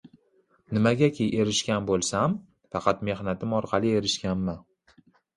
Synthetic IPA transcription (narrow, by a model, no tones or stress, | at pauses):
nɪmaɡʲakʲʰejʔe̞ɾɪʃkʲanbolˠsam | fɑqʰɑt̪me̞hnat̪ɪmɒɾqʰɑlˠɪe̞ɾɪʃkʲanmɪ